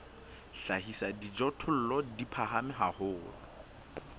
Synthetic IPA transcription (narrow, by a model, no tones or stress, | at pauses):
ɬahisadid͡ʒɔtʰʊl̩lɔdipʰaɦamɪɦahʊːlɔ